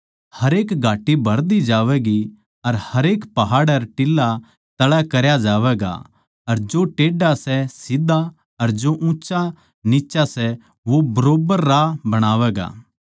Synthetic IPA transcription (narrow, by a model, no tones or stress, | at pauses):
hɐɾeːkɡʱaːʈːibʱɐɾd̪id͡ʒaːʋɛːɡi | ɐɾhɐɾeːkpɐɦaːɽɐɾʈɪlːa | t̪ɐɭɛkɐɾjad͡ʒaːʋɛːɡa̰ | ɐɾd͡ʒoʈeːɖasɛsid̪a | ɐɾd͡ʒoʔũːt͡ʃa | nit͡ʃasɛ | ʋobɐɾoːbəɾːabɐɽ̃aːʋɛːɡa̰ː